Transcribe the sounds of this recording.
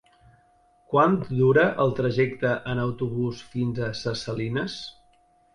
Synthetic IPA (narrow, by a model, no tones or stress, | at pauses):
kwant̪d̪uɾəʔəlˠt̪ɾəʒɛkt̪əʔənəwt̪uβusfinzəsəsəlinəs